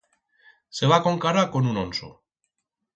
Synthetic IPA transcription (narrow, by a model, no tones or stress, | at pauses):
se̞βako̞ŋkaɾako̞nunonso̰